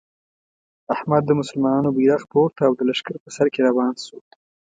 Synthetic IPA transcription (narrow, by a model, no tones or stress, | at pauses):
ahmad̪ːəmʊsʊlmɑnɑnobiɾaxpoɾt̪aːwd̪əlaʃkaɾpəsaɾkeɾawɑnso